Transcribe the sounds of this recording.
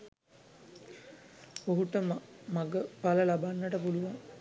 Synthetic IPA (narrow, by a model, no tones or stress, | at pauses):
oɦuʈəmmaɡəpaləlabanːəʈəpuluʋaŋ